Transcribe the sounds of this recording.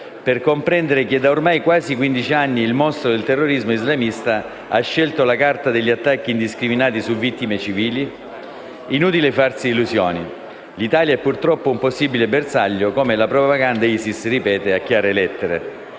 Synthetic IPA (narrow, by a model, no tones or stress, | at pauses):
perkompɾɛnd̪eɾek̟ed̪ːaormajkwaːzikwind̪it͡ʃianːiːlmɔst̪ɾod̪elt̪erːoɾizmoizlamist̪a | aʃːɛlt̪olakart̪ad̪eʎːiat̪ːakːiːnd̪iskɾiminaːt̪isuvːit̪ːimet͡ʃiviːli | inuːt̪̬ilefarsiːluzjɔːni | lit̪aːljaɛpːurt̪ɾɔpːoumposːibilebersaʎːokoːmelapɾoppaɡand̪aisisripɛːt̪eakːjaːɾelɛt̪ːeɾḛ